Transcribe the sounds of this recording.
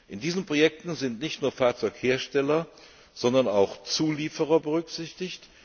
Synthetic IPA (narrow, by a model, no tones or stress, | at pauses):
ʔɪndiːzənpʁ̥ojɛk̚tn̩zɪntnɪçtnuːɐfaːɐt͡sɔʏkheːɐʃtɛlɐ | z̥ɔndɐnaʊxt͡suːliːfəʁɐbəʁʏkz̥ɪçtɪçt